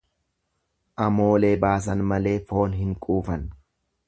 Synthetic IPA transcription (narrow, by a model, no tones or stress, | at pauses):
ʔɐmo̞ːle̞ːbaːs̬ɐnmɐle̞ːfo̞ːnɦɪŋkʼuːfɐn